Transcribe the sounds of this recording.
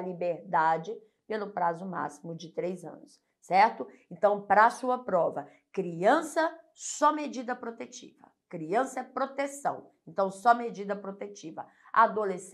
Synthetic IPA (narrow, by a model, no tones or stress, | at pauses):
libeɾd̪ad͡ʒɪ | pelʊpɾazʊma̰simʊd͡ʒɪt̪ɾejzɐ̰̃nʊs | sɛɾt̪ʊẽnt̪ɐ̃w̃pɾɐːsuɐpɾɔvɐ | kɾiɐ̃sɐ | sɔmed͡ʒid̪ɐpɾot̪et͡ʃḭvɐ̰ | kɾiɐ̃sɐɛpɾot̪esɐ̰̃w̃ẽnt̪ɐ̃w̃sɔmed͡ʒid̪ɐpɾot̪et͡ʃivɐ̰ | ad̪oles